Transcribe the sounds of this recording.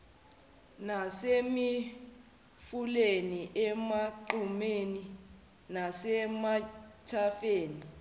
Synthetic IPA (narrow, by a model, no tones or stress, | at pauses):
nasemi | fuleniʔɛmaǃumeːni | nasɛmatʰafeːni